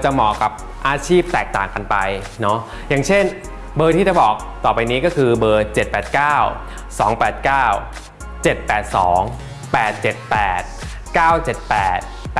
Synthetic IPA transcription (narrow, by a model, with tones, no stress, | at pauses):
t͡ɕa˨˩mɔː˨˩ka˨˩p̚ | ʔaː˧t͡ɕʰiː˥˩p̚t̪ɛː˨˩k̚t̪a̰ː˨˩ŋka˧npa˧j | nɔ˦˥ | jaː˨˩ŋt͡ɕʰe˥˩n | bɤː˧t̪ʰiː˥˩t͡ɕa˨˩bɔː˨˩k̚t̪ɔː˨˩pa˧jniː˦˥kɔː˥˩kʰɯː˧bɤː˧t͡ɕe˨˩t̪̚pɛː˨˩t̪̚kaː˥˩w | sɔː˩˦ŋpɛː˨˩t̪̚kaː˥˩w | t͡ɕe˨˩t̪̚pɛː˨˩t̪̚sɔː˩˦ŋ | pɛː˨˩t̪̚t͡ɕe˨˩t̪̚pɛː˨˩t̪̚ | kaː˥˩wt͡ɕe˨˩t̪̚pɛː˨˩t̪̚